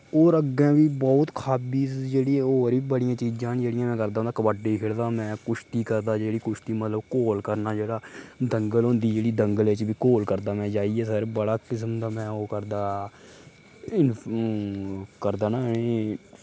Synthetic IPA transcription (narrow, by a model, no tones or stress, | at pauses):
oːɾəɡɛ̃ːʋiːbɔːt̪kʰaːbiːsd͡ʒeːɽiːoːɾiːbəɽɪjãːt͡ʃiːd͡ʒãːnd͡ʒeːɽɪjãːmɛ̃ːkəɾd̪aːʊ̃nd̪akəbaːɖeːkʰɪɽd̪aːmɛ̃ːkʊʃt̪iːkəɾd̪aːd͡ʒeːɽiːkʊʃʰt̪iːmət̪ləbkoːlkəɾnaːd͡ʒeːɽaːd̪əŋɡəlɦʊ̃ːnd̪iːd͡ʒeːɽiːd̪əŋɡəleːt͡ʃʋiːkoːlkəɾd̪aːmɛ̃ːd͡ʒaːiːɛːs̬əɾbəɽaːkɪs̬md̪aːmɛ̃ːoːkəɾd̪aː | ɪn | kəɾd̪aːnaːe